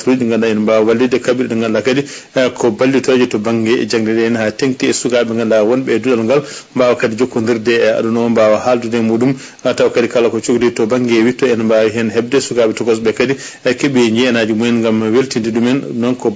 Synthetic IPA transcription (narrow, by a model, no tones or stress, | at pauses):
tɾuɗiŋɡanaɛnmbawawalːidɛkabiɾɗuŋɡalːakadi | kɔbalːitɔɾɛd͡ʒɛtɔbaŋɡɛʔɛ̰d͡ʒaŋdɛdɛɛnhateŋtiɛsukaɓɛŋɡanːawɔnɓɛduɗalŋɡalmbawakadid͡ʒokːɔndiɾdɛa̰ɗunɔmbawahaldudɛmuɗum | atawakadikalakɔt͡ʃoɡditɔbaŋɡɛwitɔɛnmbawiɦɛnɦɛb̚dɛsukaɓɛtɔɡɔs̬bɛkadi | ɛkɛbɛɲd͡ʒɛɛnad͡ʒumɔjɛnŋɡamweltindiɗumɛnnɔnkɔ